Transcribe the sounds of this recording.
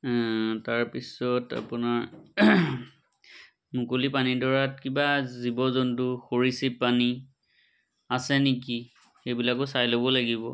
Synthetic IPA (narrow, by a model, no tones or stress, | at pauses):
taɹpisɔta̰punaɹ | mukolipanidɔɹatkibazibɔzɔntʊxoɹisipːani | asɛnik̬i | xejbilakʊsajlobɔlaɡibɔ